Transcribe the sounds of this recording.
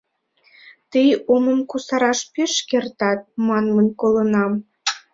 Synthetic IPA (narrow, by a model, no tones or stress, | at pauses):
t̪ijoməmkusɑɾɑʃpeʃkert̪ɑt̪̚mɑnmənʲkolənɑm